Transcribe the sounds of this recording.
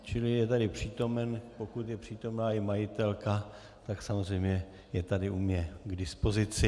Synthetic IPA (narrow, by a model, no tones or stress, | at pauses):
t͡ʃɪlɪjɛt̪adɪpr̝̥iːt̪o̞mɛnpo̞kut̪jɛpr̥iːt̪o̞mnaːɪmajɪt̪ɛlka | t̪aksamozrɛjmɲɛ | jɛt̪adɪʔumɲɛɡdɪspo̞zɪt͡sɪ